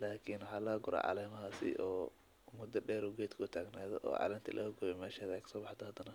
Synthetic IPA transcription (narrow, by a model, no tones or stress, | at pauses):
laːkʰinwħɑːlɐːɡʊɾa̰ːʕɑ̰lɛːmɐɦaːsɪ̰ʔɔː | mʊd̪ɐɖɛːɾʊɡɛːt̪kʰʊʊt̪ʰaːɡnaːðɔʔɔ̰ːʕɑ̰lɛːnt̪ʰilʔɐ̰ɡʊβɛmɛːʃɛðɛkʰɐ̥sɔːbɑħd̪ɐhɐd̪ɐnɐ